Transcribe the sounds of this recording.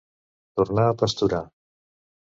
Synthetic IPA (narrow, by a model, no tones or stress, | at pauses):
t̪uɾnaːpast̪uɾa